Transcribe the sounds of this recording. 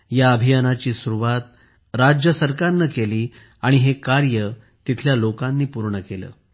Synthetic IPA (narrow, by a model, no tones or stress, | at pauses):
jaəbʱijanat͡ɕiːsuɾuʋat̪̚ | ɾad͡ʑjəsəɾkaɾnːəkeliː | aɽ̃iɦekaɾjə | t̪it̪ʰljalokanːiːpuɾɳəkelə̰ː